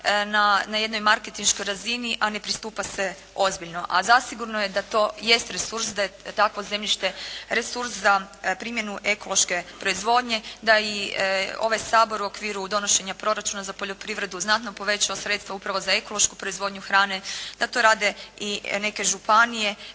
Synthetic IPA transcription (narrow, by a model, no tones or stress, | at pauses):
nanajed̪nojmaɾke̞t̪inʃko̞jɾaziniʔane̞pɾist̪uːpase | o̞zbiʎno̞ʔazasiɡuɾnoje̞d̪at̪o̞je̞st̪ɾesuɾsd̪ajet̪akʋo̞ze̞mʎiʃt̪e̞ɾesuɾszapɾiːmje̞nuʔe̞ko̞lˠo̞ʃke̞pɾo̞izʋo̞ːd̪ɲe̞d̪aio̞̰ʋajsaːbo̞ɾuo̞kʋiːɾud̪o̞no̞ʃe̞ɲapɾo̞ɾat͡ʃunazapoʎʲo̞pɾiʋɾe̞d̪uznat̪no̞po̞ʋe̞t͡ʃaosɾet̪st̪ʋaupɾaʋo̞zae̞ko̞lˠo̞ʃkupɾoizʋo̞d̪ɲuxɾaːned̪̥at̪o̞ɾaːd̪e̞ine̞ke̞ʒupanije̞